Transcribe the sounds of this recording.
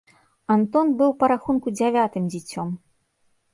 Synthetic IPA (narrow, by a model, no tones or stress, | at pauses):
ant̪ɔnbɨwpɐɾaxunkud͡zʲavʲat̪ɨmd͡zʲit͡sʲːɔm